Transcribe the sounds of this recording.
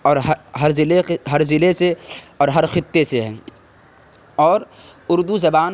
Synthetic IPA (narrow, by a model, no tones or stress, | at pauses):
ɔːɾɦɦɐɾzɪleeɦɐɾzɪleseɔːɾɦɐɾxɪt̪ːeseɦɛ̃ː | ɔːɾ | ʊɾd̪uzɐbaːn